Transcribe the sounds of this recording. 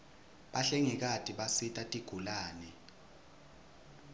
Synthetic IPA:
ɓaɬɛŋɛk̬atʼiɓasitʼatʼiɡ̥ʱulaːnɛ

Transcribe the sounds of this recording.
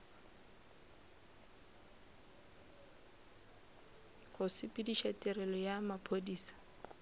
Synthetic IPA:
χʊsɪpʼidiʃatʼɛrɛlɔjamapʰodiːsḁ

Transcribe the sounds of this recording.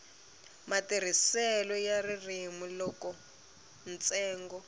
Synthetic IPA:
matir̤isɛlɔjaririmulɔkɔ | nt͡sʼɛːŋɡɔ

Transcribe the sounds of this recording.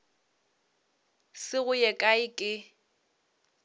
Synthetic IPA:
sɪɣʊjɛkʼaɪkʼɪ

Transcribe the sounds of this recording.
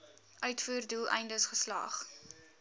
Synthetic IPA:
ʔœɥtfuːrdulˠɛ̰jndəsχəslɑ̰ːχ

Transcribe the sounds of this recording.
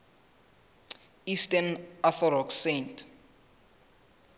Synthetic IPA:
istʼanafɔɾɔksentʰ

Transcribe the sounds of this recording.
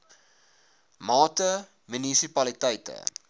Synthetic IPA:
mɑːtə | mynisipɐlitəjtə̰

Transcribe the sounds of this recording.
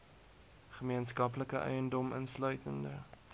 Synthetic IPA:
χəmiənskɐpləkəʔœ̰jəndɔmənslœɥtəndə̰

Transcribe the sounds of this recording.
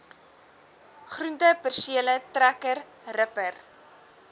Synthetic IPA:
χruntəpərsiələtrækər | rəpər

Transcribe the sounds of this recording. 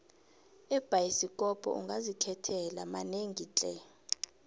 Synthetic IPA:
ɛb̥ʱajisikʼɔpʼɔ̰ṵŋɡʱazikʰɛtʰɛlamaneŋɡʱit͡ɬʼɛ̰

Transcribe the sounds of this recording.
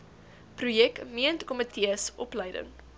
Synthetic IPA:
prujɛkmiəntkɔmətʰiəsʔɔpləjdə̰ŋ

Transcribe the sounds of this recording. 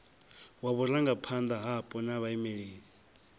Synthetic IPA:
waβuraŋɡapʰand̪aɦapʼɔnaβaimɛɺeːɺi

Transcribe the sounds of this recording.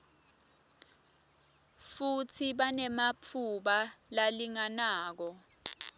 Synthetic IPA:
futʰiɓanɛmapʰuɓalaliŋanaːk̬ɔ

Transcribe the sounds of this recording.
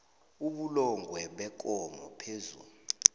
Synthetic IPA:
uɓulɔŋɡʱwɛɓɛk̬ʼɔmɔpʰezṵːlu

